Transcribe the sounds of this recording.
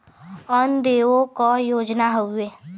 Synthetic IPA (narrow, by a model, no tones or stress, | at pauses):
ɔnd̪eːõkɔjoːd͡ʒnaɦoeː